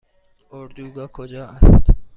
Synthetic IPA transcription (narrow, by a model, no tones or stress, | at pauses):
oɾd̪uɡɑkʰod͡ʒɑːast̪